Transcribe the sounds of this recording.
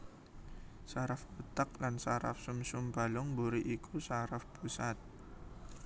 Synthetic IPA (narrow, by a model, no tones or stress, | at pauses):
saɾafbət̪ak̚lansaɾa̰fsumsumbalʊŋbuɾiʔikʰusaɾafpusat̪̚